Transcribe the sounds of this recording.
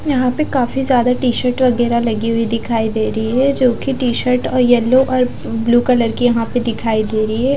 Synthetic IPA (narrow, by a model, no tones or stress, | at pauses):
jɐɦãpekaːfizjaːd̪aʈiːʃəɾʈʋɐɡɛːɾalɐɡiɦʊid̪ɪkʰaːid̪eːɾɐɦiɦɛd͡ʒoːkiʈiːʃəɾʈɔːɾjɛlːoʔɔːɾ | bluːkɐləɾkijɐɦãped̪ɪkʰaːid̪eːɾɐiɦɛː